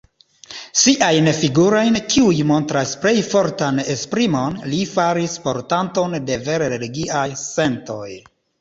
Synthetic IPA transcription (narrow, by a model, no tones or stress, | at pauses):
siʔajnfiɡuɾo̞jnkiujmo̞ntɾasple̞jfo̞ɾtanespɾimo̞nlifaɾispo̞ɾtanto̞nde̞ve̞ɾeɾeliɡiʔajse̞nto̞j